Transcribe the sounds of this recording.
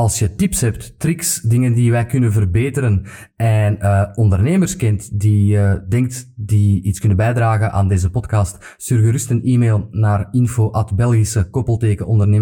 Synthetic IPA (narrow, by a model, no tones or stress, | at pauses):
ɑlˠsjətipsɦɛptːrɪksdɪŋəndiʋɛjkʏnənvərbeːtəɾən | ɛnəɔndərneːmərskɛntdiədɛŋk̚tdiitskʏnəbɛjdraːɣənʔa̰ːndeːzəpɔtkɑst | syrɣəɾystəniːmeːlˠnaːrɪnfoːʔɑtbɛlˠɣisəkopəlˠteːkəɔndərneː